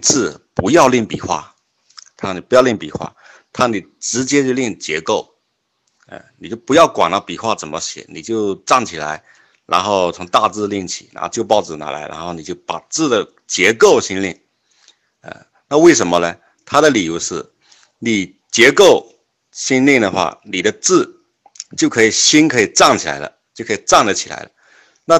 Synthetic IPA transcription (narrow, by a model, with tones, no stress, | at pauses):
t͡sɹ̩˥˩pu˧˥jɑ˥˧ʊli˥˩ŋpi˨˩xwa̰˥˩ | t̪ʰa˥ni˨˩pu˧˥jɑ˥˧ʊli˥˩ŋpḭ˨˩xwa̰˥˩ | t̪ʰa˥ni˨˩ʈ͡ʂɻ̩˧˥t͡ɕjɛ˥t͡ɕjo˥˧li˥˩ŋt͡ɕjɛ˧˥ko˥˩ʊ | ə̰˥˧ni˨˩t͡ɕjo˥˩ʊpu˧˥jɑ˥˩ʊkwa˨˩nɑ˥˩pi˨˩xwa˥˩t͡sə˨˩nmə˦ɕjɛ̰˨˩˦ni˨˩t͡ɕjo˥˧ʊʈ͡ʂa˥˩ŋt͡ɕʰi˨˩la̰˧˥ɪ | ɻa̰˧˥nxo˥˩ʊt͡sʰʊ˧˥ŋt̪a˥˧t͡sɹ̩˥˧li˥˩ŋt͡ɕʰi˨˩a̰˥˧t͡ɕjo˥˧ʊpɑ˥˩ʊʈ͡ʂɹ̩˨˩na̰˧˥la̰˧˥ɪɻa̰˧˥n˥xo˥˩ʊni˨˩t͡ɕjo˥˩ʊpa˨˩t͡sɹ̩˥˩d̪ə˩ | t͡ɕjɛ˧˥ko˥˩ʊɕi˥nli˥˩ŋ | ə̰˧˩ | na˥˧we˥˩ɪʂə˧˥nmə˧nə˧ | t̪ʰa˥d̪ə˨li˨˩ju˧˥ʊʂɻ̩˥˩ | ni˨˩ | t͡ɕjɛ˧˥ko˥˩ʊ | ɕi˥nli˥˩ŋd̪ə˩xwa̰˥˩ni˨˩d̪ə˦t͡sɹ̩˥˩ | t͡ɕjo˥˩kʰɤ˧˥i˨˩ɕi˥nkʰɤ˧˥i˨˩ʈ͡ʂɑ˥˩ŋt͡ɕʰi˨˩la̰˧˥ɪlə̰˧t͡ɕjo˥˩kʰɤ˧˥i˨˩ʈ͡ʂɑ˥˩ŋdə˨˩t͡ɕʰi̥˨˩la̰˧˥ɪlə̰˧ | na˥˧